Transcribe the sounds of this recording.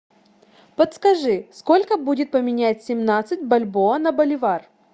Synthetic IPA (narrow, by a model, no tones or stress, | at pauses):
pət̪skɐʐɨsko̞lʲkəbudʲɪt̪̚pəmʲɪnʲætʲsʲɪmnat̪sɨt̚ʲbɐlʲboənɐbəlʲɪvar